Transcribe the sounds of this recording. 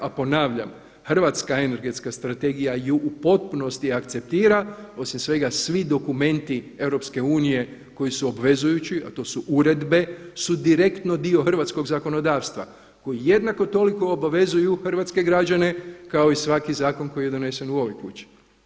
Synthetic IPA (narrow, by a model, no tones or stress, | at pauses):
apo̞naːʋʎa̰m | xr̩ʋat̪skae̞ne̞ɾɡe̞t̪skast̪ɾat̪e̞ɡijajuʔupo̞t̪̚puno̞st̪iakt̪se̞p̚t̪iːɾao̞simsʋe̞ɡasʋid̪o̞kume̞nt̪ie̞wɾo̞pske̞uːnije̞ | ko̞jisuobʋe̞zujut͡ʃia̰t̪o̞ːsuʔuɾe̞d̪be̞sud̪iɾe̞kt̪no̞d̪ioxr̩ʋat̪sko̞ɡzako̞no̞d̪aːʋst̪ʋa̰ | ko̞jije̞d̪nako̞t̪o̞liko̞ːbaʋe̞zujuxr̩ʋat̪ske̞ɡɾad͡ʒane̞kao̞isʋakizaːko̞nko̞jijed̪o̞ne̞se̞nuo̞ʋojkṵt͡ʃi̥